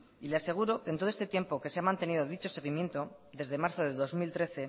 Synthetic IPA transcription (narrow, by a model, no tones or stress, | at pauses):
ilease̞ɣ̞uɾo̞ke̞nt̪o̞est̪et̪je̞mpo̞keseamãnt̪e̞niðo̞ðit͡ʃo̞se̞ɣ̞imje̞nt̪o̞ | ðe̞zðe̞maɾθoðe̞ðo̞zmilt̪ɾe̞θe̞